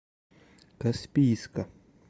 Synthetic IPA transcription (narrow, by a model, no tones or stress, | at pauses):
kaspiːska